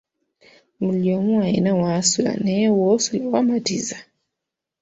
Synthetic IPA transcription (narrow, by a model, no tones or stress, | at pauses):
muljomwajinawasula̰newosulawamatiza